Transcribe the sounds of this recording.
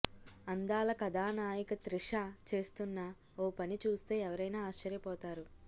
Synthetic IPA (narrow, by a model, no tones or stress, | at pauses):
ɐnd̪aːlɐkɐd̪aːnaːjikɐt̪ɾiʂaːt͡ʃe̞ːst̪unːɐ | oːpɐnit͡ʃuːst̪e̞ːɛʋɐɾɐjnaːaːʃt͡ʃɐɾjɐpɔːt̪aːɾu